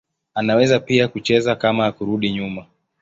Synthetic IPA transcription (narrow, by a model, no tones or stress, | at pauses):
anawɛzapiakut͡ʃɛzakamaːkuɾuɗiɲuma